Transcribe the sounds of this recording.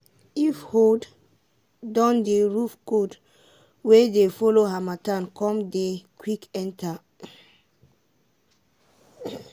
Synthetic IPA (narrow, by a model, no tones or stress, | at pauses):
ifhod | dɔ̃ndeɹufkod | wedefɔloɦamatãnkɔ̃mdekʰwikɛ̃ntʰa